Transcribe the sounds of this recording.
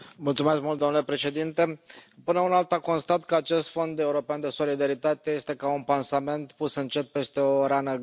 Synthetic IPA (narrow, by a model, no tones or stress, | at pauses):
mult̪sume̞skmult̪d̪onulepɾe̞ʃe̞d̪int̪e̞pɨnəunalt̪ako̞nst̪at̪kəat͡ʃe̞st̪fo̞nd̪e̞uɾo̞peand̪e̞so̞lid̪aɾit̪at̪e̞je̞st̪e̞kaunpansame̞nt̪pusɨnt͡ʃe̞t̪̚pe̞st̪e̞o̞ɾanə